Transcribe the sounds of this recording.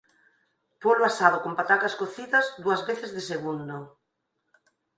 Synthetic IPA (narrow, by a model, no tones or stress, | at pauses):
poloasaðokompat̪akaskoθiðɐzðuɐzβeθezðeseɣund̪o